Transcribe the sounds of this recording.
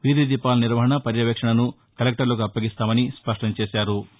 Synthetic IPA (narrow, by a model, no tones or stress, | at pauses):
ʋid̪id̪ipːaːlɐniɾʋɐɦɐɳɐpɐɾjɐʋekʂɐɳɐnu | kɐlek̚ʈɐɾlɐk̬uɐpːɐɡist̪aːmɐnispɐʂʈɐɲt͡ʃeːsaːɾu